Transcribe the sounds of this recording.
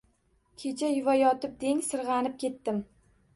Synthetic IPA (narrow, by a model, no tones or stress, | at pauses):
kʲʰe̞t͡ʃʰajɪvajɒt̪ɪp̚d̪e̞ŋsɨɾʁɑnɪp̚kʲe̞t̪ːɪm